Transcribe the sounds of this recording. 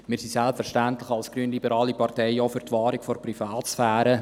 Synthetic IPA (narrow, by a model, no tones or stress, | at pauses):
mɪːɾsisɛlpfɛɾʃtæntlɪχɑlsɡ̥ɾyːənlibəɾɑːlipɑɾtɛɪofyɾtʋɑːɾikfɔɾprifɑːsfæːɾə